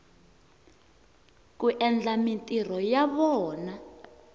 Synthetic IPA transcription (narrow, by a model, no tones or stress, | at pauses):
k̬uʔɛnd͡ɮamintʼir̤ɔjaβɔːna